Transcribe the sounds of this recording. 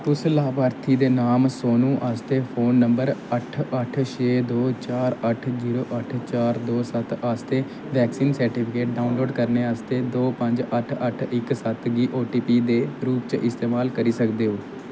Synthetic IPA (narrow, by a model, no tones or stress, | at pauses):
t̪ʊslaːbaːɾt̪ʰiːd̪eːnaːmsoːnũːʔaːst̪eːpʰoːnːəmbəɾəʈʰəʈʰʃeːd̪oːt͡ʃaːɾəʈʰziːɾoːʔəʈʰt͡ʃaːɾd̪oːsət̪aːst̪eː | ʋɛːksiːnsəɾʈiːpʰɪkeːʈ̚ɖaːunloːɖkəɾneːaːst̪eːd̪oːpə̃ɲd͡ʒəʈʰəʈʰɪksət̪ɡiːʔoːʈiːpiːd̪eːɾuːp̚t͡ʃʔɪst̪eːmaːlkəɾiːsəkd̪eːɦoː